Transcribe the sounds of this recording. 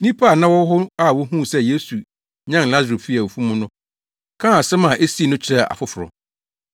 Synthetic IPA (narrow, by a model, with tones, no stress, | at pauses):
nĩ˦pʰa˦˨nã˦wɔ˦ɦʊ˦a˦˨wɔ˦ɦũ˦˨sɛ˦je˦su˨ | ɲã˦n˨la˦zo˨fi˦a˨o˨fũ˦mʊ̃˦nʊ̃˦ | kʰã˦a˨sɛ˦mã˨ʔe˦si˦˨nʊ̃˦t͡ɕʰɪ˦ɾɛ˦˨ʔa̰˨fʊ˦fʊ˨ɾɔ̰˨